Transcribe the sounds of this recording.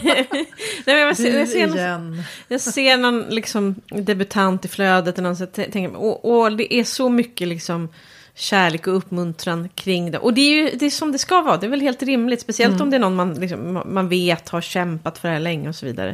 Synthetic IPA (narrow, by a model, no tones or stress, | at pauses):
nɛːmɛnjɑvɛjaɡseːnjɑːɡsseːnɔnlɪksɔmd̪ɛbɵt̪ʰant̪ɪfløːd̪ət̪ɛnɔnsat̪ʰɛt̪ʰɛŋkəɾmɛ̰ɔʔɔd̪ɛʔæʂɔmʏkːəlɪksɔm | ɕæːɭeːkɔɵpːmɵnt̪ɾankʰɾɪŋːd̪ɛ̰ʔɔd̪ɛːɾjɵd̪ɛːsɔmd̪ɛskavɑːd̪ɛɛvɛlɦeːlt̪ɾɪmlɪt̪spɛsɪɛlt̪ɔmd̪ɛæɳnɔnmanlɪksɔm̰manveːt̪haɾɕɛmpat̪fœɖɛhæːɭɛŋːəɔsɔvḭːd̪a̰ɾə̰